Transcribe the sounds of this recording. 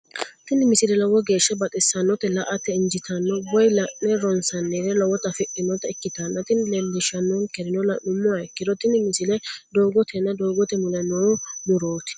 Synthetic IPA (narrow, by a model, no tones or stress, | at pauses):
t̪ɪnɪmɪsɪlɛlɔwɔɡe̞ːʃːɛbɐt̪ʼɛsːɐnːɔt̪ɛlɐʔɐt̪ːɛɪnd͡ʒɪt̪ʰɐnːɔbɔjlɐʔːɛɾɔnsɐnːeɾɛlɔwɔt̪ɐfɪʔɪnɔt̪ɛɪkːɪt̪ɐnːɐt̪ɪnlɛnd̪ɪʃɐnunkɛɾɪnɔlɐnʊmːʊwɐɛkːɪd̪ɔt̪ɪnɪmɪsɪlɛd̪oːɡɔt̪ʰɛnːɐd̪oːɡɔt̪ɛmʊlɛnoːmʊɾoːt̪ɪ̥